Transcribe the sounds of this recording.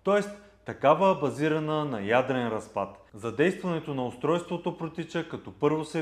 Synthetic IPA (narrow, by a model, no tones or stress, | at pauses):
t̪ɔɛs | t̪ːɐkavəbɐziɾɐnənɐjad̪ɾɛnɾɐspat̪zɐd̪ɛjst̪vɐnɛt̪onɐʊst̪ɾɔjst̪vot̪opɾot̪it͡ʃəkɐt̪ɔpɤɾvosɛ